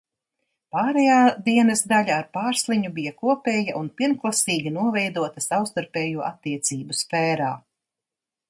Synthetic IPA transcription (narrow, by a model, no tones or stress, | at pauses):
paːɾɛjaːd̪iɛnɐsd̪aʎʲaːɾpaːɾslˠiɲubijɐkuɔpʲɛːjɐʔunpʲiɛnklˠasiːɡʲinuɔvɛjd̪uɔt̪ɐsawst̪aɾpʲɛːjuɔʔat̪ːiɛt̪siːbusfɛːɾa̰ː